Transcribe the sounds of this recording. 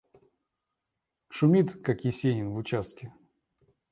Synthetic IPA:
ʂʊmʲit̪kakjɪsʲenʲɪnvʊt͡ɕast̪̚kʲɪ

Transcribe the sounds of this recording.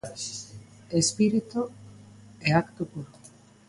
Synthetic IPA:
espiɾit̪u | eakt̪opuɾo

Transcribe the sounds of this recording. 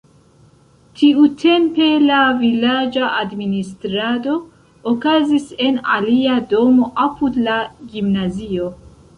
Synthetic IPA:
tʰiutʰe̞mpe̞lavilad͡ʒaadministɾado̞ː | kazise̞na̰liado̞mo̞ʔapudlaɡimnazio̞

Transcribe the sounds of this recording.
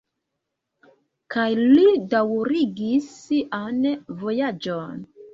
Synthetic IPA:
kajlidawɾiɡisʔanvo̞jad͡ʒon

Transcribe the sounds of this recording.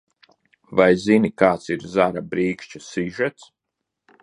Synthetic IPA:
vajzinikaːt̪siɾzaɾabɾiːkʃt͡ʃasiʒɛt̪s

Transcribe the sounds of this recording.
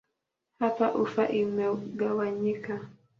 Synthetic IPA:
hapaʔufaʔimɛɡawaɲika

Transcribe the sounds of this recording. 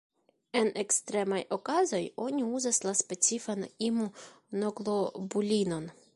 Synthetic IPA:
e̞nekst̪ɾe̞majo̞kazo̞jo̞niuzaslaspe̞t͡sifanimu | noɡlo̞bulʲino̞n

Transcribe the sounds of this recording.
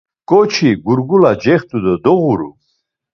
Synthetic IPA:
kʼɔt͡ʃʰiɡuɾɡulad͡ʒɛχt̪ʼud̪ɔd̪ɔɣuɾṵ

